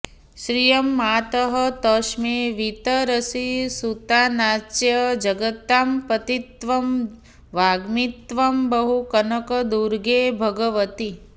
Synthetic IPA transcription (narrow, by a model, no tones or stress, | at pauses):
ʃɾijəmːat̪əɦət̪əʃmeʋit̪əɾəsisut̪anat͡ʃjəd͡ʒəɡət̪ːampət̪it̪ʋɐm | ʋaɡmit̪ʋəmbəɦukənəkəd̪uɾɡebʱəɡəʋət̪i